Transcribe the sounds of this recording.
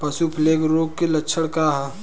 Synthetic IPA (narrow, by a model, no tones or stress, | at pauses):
pɐsupʰleːɡɾoːɡkelɐtːʃʰəɽkaːɦa